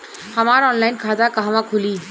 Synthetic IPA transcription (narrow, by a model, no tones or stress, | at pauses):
həmaɾɔnlajnkʰad̪akəɦmãkʰuli